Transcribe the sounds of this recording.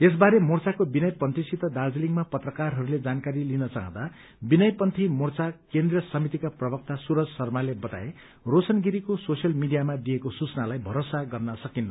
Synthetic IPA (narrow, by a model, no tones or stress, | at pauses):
es̬baɾemurt͡sakobinʌjpʌnt̪ʰisit̪ʌd̪ard͡zeliŋmapʌt̪rʌkarɦʌɾuled͡zankaɾilinʌt͡saɦʌ̃d̪a | binʌjpʌnt̪ʰimort͡sakẽnd̪rijʌsʌmit̪ikaprʌbʌk̚t̪asuɾʌd͡zsʌrmalebʌt̪a̰e | rosʌnɡiɾikososjʌlmiɖijamad̪ijekosut͡sʌnalajbʱʌɾosaɡʌrnʌsʌkinːʌ